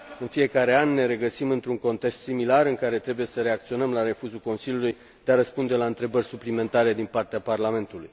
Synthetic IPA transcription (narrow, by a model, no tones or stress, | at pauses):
ɨnfije̞kaɾe̞anːe̞ɾe̞ɡəsimɨnt̪ɾuŋko̞nt̪e̞kst̪similaɾɨŋkaɾe̞t̪ɾe̞buje̞səɾe̞ak̚t̪sio̞nəmlaɾe̞fuzulko̞nsiljuluj | d̪̥e̞aɾəspund̪e̞laɨnt̪ɾe̞bərʲsuplime̞nt̪aɾe̞d̪inpart̪eaparlame̞nt̪ulṵj